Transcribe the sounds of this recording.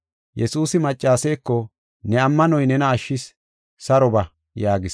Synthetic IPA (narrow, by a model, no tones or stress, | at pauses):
jɛsuːsɪmɐt͡ʃʼːaːsɛjkːɔ | nɛɐmːɐnɔjnɛnɐːʃːɪs | sɐɾɔbɐ | jaːɡɪs